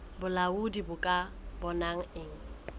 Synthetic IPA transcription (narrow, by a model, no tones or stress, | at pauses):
bʊlaudibʊkʼabɔnaŋ̩ɪŋ̩